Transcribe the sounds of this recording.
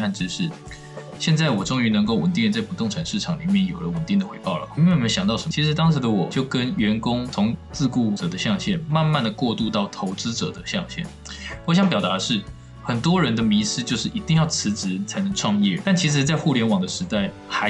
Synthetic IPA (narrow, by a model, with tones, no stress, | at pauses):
a˥˧nʈ͡ʂɻ̩˥ʂɻ̩˥˩ | ɕjɛ˥˧nt͡sa˥˩ɪwɔ˨˩ʈ͡ʂʊ˥ŋy˧˥nə˧˥ŋko˥˩ʊwə˨˩nt̪i˥˧t͡sa˥˩ɪpu˨˩t̪ʊ˥˩ŋʈ͡ʂʰa˨˩nʂɻ̩˥˩ʈ͡ʂʰɑ˨˩ŋli˨˩mjɛ˥˩njo˨˩ʊlə˦wə˨˩nt̪i˥˩ŋd̪ə˩xwe˧˥ɪpɑ˥˩ʊlə̰˩˥˩mə˧˦nɕjɑ˨˩ŋt̪ɑ˥˩ʊʂə˧˥mt͡ɕʰi˧˥ʂ̬ɻ̩˧˥t̪ɑ˥ŋʂɻ̩˧˥d̪ə˧wɔ˨˩t͡ɕjo˥˩ʊkə˦nɥɛ˧˥nkʊ˥ŋt͡sʰʊ˧˥ŋt͡sɹ̩˥˧ku˥˩ʈ͡ʂɤ˨˩d̪ə˦ɕjɑ˥˧ŋɕjɛ˥˩nma˥˧nma˥˩nd̪ə˩kwɔ˥˧t̪u˥˧t̪ɑ˥˩ʊt̪ʰo˧˥ʊt͡sɹ̩˥ʈ͡ʂɤ̰˨˩d̪ə˦ɕjɑ˥˧ŋɕjɛ̰˥˩n | wɔ˧˥ɕ̬jɑ˥ŋp̬jɑ˨˩ʊt̪a˧˥˧ʂɻ̩˥˩ | xə˨˩nt̪wɔ˥ɻə˧˥nd̪ə˧mi˧˥sɹ̩˥˧t͡ɕjo˥˧ʊʂɻ̩˥˩i˧˥t̪i˥˧ŋjɑ˥˩ʊt͡sʰɹ̩˧˥ʈ͡ʂɻ̩˧˥t͡sʰa˧˥ɪnə˧˥ŋʈ͡ʂʰwɑ˥˧ŋjɛ̰˥˩t̪a˥˩nt͡ɕʰi˧˥ʂ̬ɻ̩˧˥t͡sa˥˧ɪxu˥˩ljɛ˧˥nwɑ˨˩ŋd̪ə˦ʂɻ̩˧˥t̪a˥˩ɪ | xa˧